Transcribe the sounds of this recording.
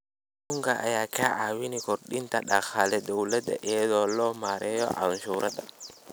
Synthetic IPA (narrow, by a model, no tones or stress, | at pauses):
ɗɗuŋɡaʔa̰jakaʔawinikɔɾɗintaɗaxalɛdɔwlɛdɛ̰ʔɛdɔlɔmaɾɛjɔ̰ʔa̰nʃuɾʔada